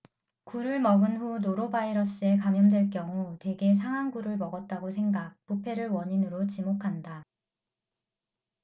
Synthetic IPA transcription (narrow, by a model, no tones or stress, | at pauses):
kuɾɯɭmʌɡɯnɸunoɾobaiɾʌs͈ɯe̞kamjʌmdwe̞ɭk͈jʌŋute̞ɡe̞s̬ʰaŋɦaŋɡuɾɯɭmʌɡʌt̚t͈aɡosʰe̞ŋɡak̚pupʰe̞ɾɯɭwʌɲinɯɾot͡ɕimokʰanda